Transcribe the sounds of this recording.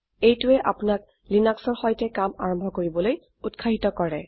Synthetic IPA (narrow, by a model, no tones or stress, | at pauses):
ejtʊɛʔapʊnak̚ | linaksɔɹxɔjtɛkama̰ɹɔmbʱɔkoɹibɔloj | utkʰaɦitɔkɔɹɛ